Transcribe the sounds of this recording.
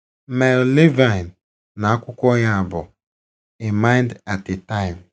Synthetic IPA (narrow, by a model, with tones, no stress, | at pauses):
me˨ɾle˦va˨n | na˨a˦kʷʊ˦kʷɔ˦ɲa˦a˨bʊ˨ | e˨ma˦ɪ˦nda˨te˨ta˦ɪ˨m